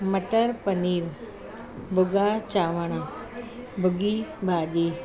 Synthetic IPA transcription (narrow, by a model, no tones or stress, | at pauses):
məʈəɾpəniːɾ | bʱʊɡaːt͡ʃaːʋəɳ̃a | bʱʊɡibʱaːɗiː